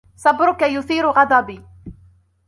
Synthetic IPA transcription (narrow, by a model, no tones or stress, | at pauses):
sˤɑbɾʊkajʊθiːɾʊɣɑd̪ˤɑbiː